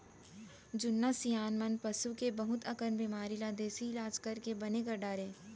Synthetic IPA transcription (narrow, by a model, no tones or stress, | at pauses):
d͡ʒʊnːasijaːnmənpɐsukebɐɦʊt̪ɐkəɾnbiːmaːɾilad̪eːsiɪlaːd͡ʒkɐɾkebɐnekɐɾɖaːɾẽː